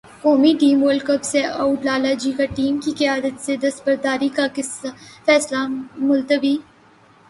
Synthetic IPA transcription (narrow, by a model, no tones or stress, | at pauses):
koːmiʈiːməlkəbseɐuʈlaːlad͡ʒiːkaʈiːmkikɐjaːd̪ət̪sed̪ɐsbəɾd̪aːɾikakɪfɛːslamʊlt̪əbiː